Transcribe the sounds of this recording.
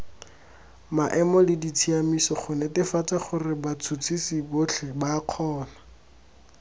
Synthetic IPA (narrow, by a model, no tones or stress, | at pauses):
maʔɛmɔlɪdit͡sʰiamisɔχʊnɛtɪfat͡sʼaχʊrɪbat͡sʰut͡sʰisibʊt͡ɬʰɪbaq͡χʰɔːna